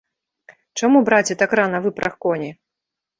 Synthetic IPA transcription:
t͡ʂamubɾat͡sʲɛt̪akranɐvɨpɾʔɐxkɔnʲi

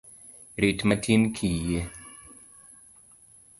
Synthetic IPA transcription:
ɾitmatʰinkʰije

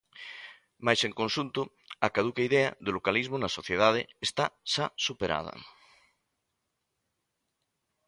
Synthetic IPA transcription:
majseŋkõnʃunt̪ʊ | akað̞ukaiðeaðʊlokalizmʊnasoθjeðað̞eːst̪aʃasupeɾʔa̰ð̞ɐ̰

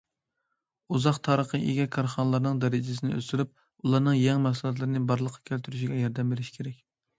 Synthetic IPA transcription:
uzɑqt̪ʰɑːɾəχəʔeɡʲɛkʰɑɾχɑnəlˠɑɾnɨŋd̪ɛɾɪd͡ʒɪs̬ɪnɪø̰st̪yɾyp̚ | ulˠɑɾnɨŋjɛŋmɛsɨlˠɑt̪̬lˠɨɾɪnɪbɑɾlˠəqʰːɑ̥kʲʰølt̪ʰyɾyʃiɡʲɛjɑɾd̪ɛmbeɾɪʃi̥kʲʰeɾɛkʲ

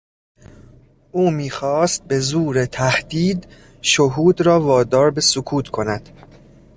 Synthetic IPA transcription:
ʔuːmiːxɒːst̪̚be̞zuːɾet̪ʰæhd̪̥iːd̪ | ʃoɦuːd̪ɾɒːvɒːd̪ɒːɾbe̞sokʰuːt̪ʰkʰo̞næd̪̥

